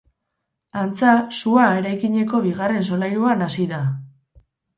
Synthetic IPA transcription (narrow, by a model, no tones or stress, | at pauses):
ant͡sasuae̞ɾajkiɲe̞ko̞βiɣare̞ns̬o̞lajɾuanasiða